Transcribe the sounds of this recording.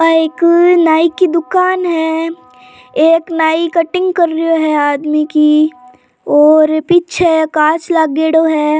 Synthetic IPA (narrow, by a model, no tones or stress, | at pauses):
aeːknaːikid̪ʊkaːnɦɛ | eːknaːikɐʈɪ̃ŋɡkəɾːioɦɛaːd̪miki | ɔːɾpiːtːt͡ʃʰekaːt͡ʃlaːɡeːɽoɦɛː